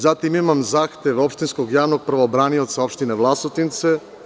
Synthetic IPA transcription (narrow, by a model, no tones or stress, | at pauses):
zat̪imimamzaːxt̪eʋopʃt̪inskoɡjaːʋnoɡ̚pɾʋobɾaːniot̪saopʃt̪ineʋlˠasot̪int̪se